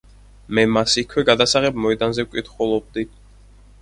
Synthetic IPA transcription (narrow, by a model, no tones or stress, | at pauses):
mɛmasikʰwɛɡad̪asaʁɛb̚mɔɛd̪anzɛwkʷʼit̪χɔlˠɔb̚d̪i